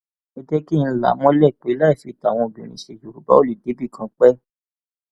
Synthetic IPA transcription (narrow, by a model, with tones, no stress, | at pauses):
i˦d͡ʒɛ˦ki˦˨ñ̩˧˦la̰˨˦mɔ̃˦lɛ˦˨k͡pe˨˦la˦i˨fi˧˦ta˨w̃ɔ̃˧o˨bṵ̃˨ñĩ˨ʃe˧˨d͡ʒu˨ɾu˨ba̰˦o˦li˦˨de˨˦bi˦˨kʰã˧k͡pɛ˦